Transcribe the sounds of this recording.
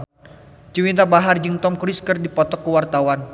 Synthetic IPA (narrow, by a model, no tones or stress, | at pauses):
d͡ʒuwint̪abaɦard͡ʒɨŋt̪ɔmkɾiskərdipɔt̪ɔkːuwart̪awan